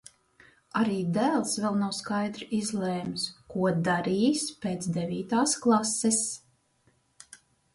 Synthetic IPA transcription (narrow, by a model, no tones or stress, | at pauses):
aɾiːd̪æːlˠsvɛlˠnawskajd̪ɾizlˠeːmskuɔd̪aɾiːspeːt̪sd̪evʲiːt̪aːsklˠasːɛs